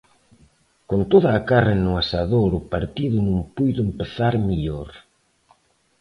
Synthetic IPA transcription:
kont̪oðaːkaraenʊasaðoɾʊpaɾt̪iðʊnũŋpujðʊempeθaɾmiʎoɾ

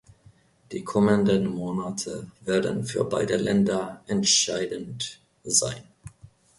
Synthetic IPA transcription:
d̥iːkʰɔməndənmoːnatʰəveːɐdən̩fyːɐba̰ɪdəlɛndɐʔɛntʃaɪdən̩t | za̰ɪn

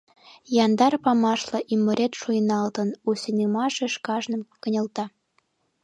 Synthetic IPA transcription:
jɑnd̪ɑrpɑmɑʃlɤʔimːə̆ɾet̪ʃujənɑlt̪ənusenimɑʃeʃkɑʒnə̆mkənʲə̆lt̪ɑ

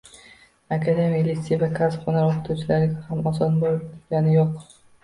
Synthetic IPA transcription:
akʰad̪ejamijalit̪sijavakʰasχonaɾoqʰɨ̥t̪ʰuwt͡ʃʰɪlaɾɪɡʲahamɒsɒnbolɡʲanɪjoq

